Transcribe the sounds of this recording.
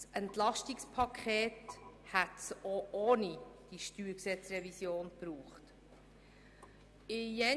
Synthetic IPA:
sʔɛntlɑʃtikspʰɑkʰχeːthætsoʔonid̥iʃtyːɾksɛt͡srɛvisjoːnb̥ɾuːχt | ɪjɛ

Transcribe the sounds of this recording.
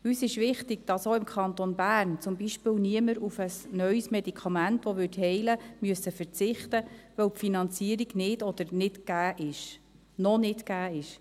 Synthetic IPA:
yːsɪʃʋɪχt̪ɪɡ̚d̥ɑsoːɪmkʰχɑnt̪onbæːrnt͡sʊmbiʃpɪːwniəməɾufəsnœʏsmɛdikʰɑmæntʋɔʋʏthɛɪləmyəsəfəɾt͡sɪχt̪əʋœwpfinɑnt͡siəɾiɡnɪdɔd̥̪əɾnɪtɡ̥æːʔɪʃ | nɔnɪtɡæːɪʃ

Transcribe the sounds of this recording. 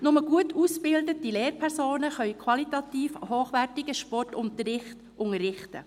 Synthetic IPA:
nʊməɡ̥uətusb̥ɪldətileːɾpʰɛɾsoːnəχœʏkʰwɑlit̪ɑtiːfhoːχʋærtɪɡəʃpɔrtʊntərɾɪχt | ʔʊŋərːɪχtə̰

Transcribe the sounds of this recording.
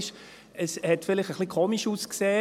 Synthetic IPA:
ʃ | əshɛtfɪlɪχtəχlikʰoːmiʃuːskseː

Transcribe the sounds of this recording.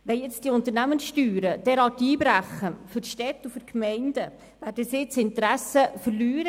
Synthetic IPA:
ʋɛnjɛt͡sd̥iʊnt̪əɾnæmənsʃtyːɾəd̥ɛɾɑtiːbɾæχəfʏɾʃtɛt̪ːufʏɾkmɛɪnd̥ə | ʋæːɾdəsɪːt͡sɪnt̪ɾæsəfəɾlyːɾə

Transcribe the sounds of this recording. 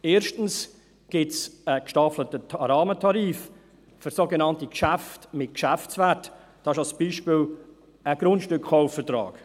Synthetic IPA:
eːɾʃtn̩s | ɡ̥ɪtsəkʃtɑflətətʰɑɾɑːmətʰɑɾiːf | fʏɾsoɡenɑntikʃæftmɪt̚kʃæft͡svæt | d̥ɑɪʃɑlsb̥iːʃpɪl | əɡ̥ɾʊntʃtʏkχaʊfːətɾɑ̰ːk

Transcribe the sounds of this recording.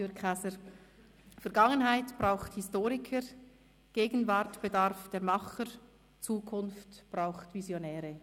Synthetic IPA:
øasəɾ | fɛɐɾɡ̥ɑŋənɦaɪtb̥ʁaʊxthɪstoːɾɪkʰə | ɡ̥eːɡən̩vaɾtb̥edaɾfd̥eːɾmɑχəɾ | t͡suːkʰʊnftb̥ʁaʊxtvizjonɛːɾə

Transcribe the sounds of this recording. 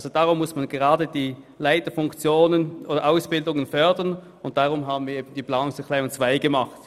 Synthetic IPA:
lzod̥aːʁʊmːʊsmanɡəʁɑːdədiː | laɪtəfʊŋkt͡sjoːnənʔoːdɐʔaʊsb̥ɪldʊŋənfœɐdɐn | ʊnt̚d̥aʁʊmɦaːbn̩viːɐeːbn̩d̥iːpl̥aːnʊŋsəkʰl̥ɛːʊnt͡sv̥aɪɡəmɑχt

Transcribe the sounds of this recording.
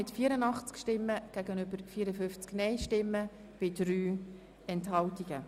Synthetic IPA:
ɪtfiːəɾənɑχt͡skʃtɪmːəɡ̥æɡənʏbəɾfiːɾəfʏnft͡sknɛɪʃtɪmːə | b̥ɪd̥ɾyː | ɛnthɑltiɡ̥ə

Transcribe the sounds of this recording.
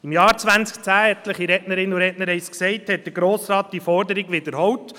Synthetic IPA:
ɪmjɑːɾt͡sʋænt͡sk̚t͡sæːɛt̪ləχiɾɛtnəɾɪnuɾɛtnəɾɛɪsksɛɪthɛt̚d̥əɾɡɾoːsɾɑːt̚d̥iəfɔɾdəɾiɡʋɪd̪əɾɦɔwt

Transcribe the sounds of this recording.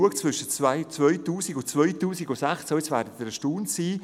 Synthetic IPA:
uəkt͡svʏʃət͡svaɪt͡svœʏtuːsiɡʊt͡svœʏtuːsiɡʊsɛχt͡soɛt͡svɛːɾdət̪ɪɾəʃtuːnsiː

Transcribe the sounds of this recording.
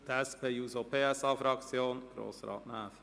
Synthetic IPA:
d̥̪ɛspejuːzopeːɛsɑfɾɑkt͡sjoːnɡ̥ɾo̰ːsrɑ̰ːtnaːf

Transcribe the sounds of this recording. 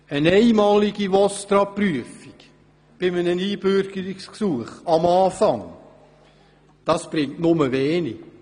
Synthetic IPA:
ənɛɪmɑːliɡiʋɔstɾɑpryəfik | b̥ɪmənəniːb̥øɾɡ̥əɾiksksuəχɑmɑːfɑŋ | d̥ɑsb̥ɾɪŋtnʊməʋeːni

